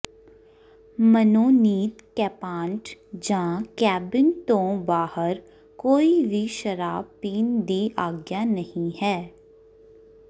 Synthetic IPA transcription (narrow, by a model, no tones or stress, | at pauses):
mənoːniːt̪kɛːpãːɳʈd͡ʒãkɛːbɪnt̪õbaːhəɾ | koːibʱiʃəɾaːpiːnd̪iʔaːɡjanɐhĩɦɛː